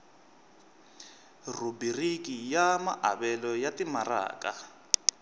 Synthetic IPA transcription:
rubirikijamaʔaβɛlɔjatimara̰ːka̰

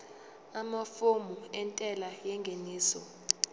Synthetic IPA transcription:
amafomuɛntʼɛlajɛŋɡʱeniːsɔ

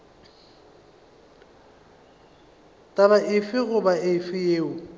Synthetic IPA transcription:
tʼaβaʔɪfɪɣʊbaɪfɪjeːʊ

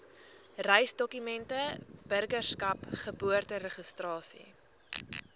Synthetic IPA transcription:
rɛjsdɔkymɛntəb̥ərɡərskɐpχəbuərtəɾəχəstrɑːsḭ

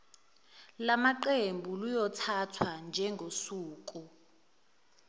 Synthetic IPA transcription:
lamaǃembʱulujɔtʰatʰwand͡ʒʱɛŋɡʱosuːk̬ʼu

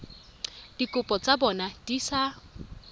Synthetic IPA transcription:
d̥ikʼʊpʼɔt͡sʼabɔnad̥isa

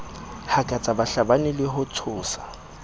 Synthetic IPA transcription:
hakʼat͡sʼabaɬabanɪlɪɦʊt͡sʰʊːsḁ

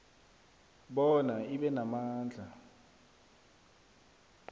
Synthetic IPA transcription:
ɓɔnaiɓɛnamaːnd͡ɮʱa

